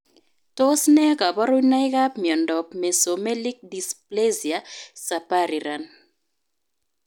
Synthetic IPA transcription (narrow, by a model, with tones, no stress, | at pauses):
to˦snɛ˦ka˨bɔ˦ɾu˦na˦jka˦pmjɔ˨ndɔ˨pme˨so˨me˦li˦k̚di˨sple˦zi˨a˨sa˨pa˦ɾi˨ɾa˨n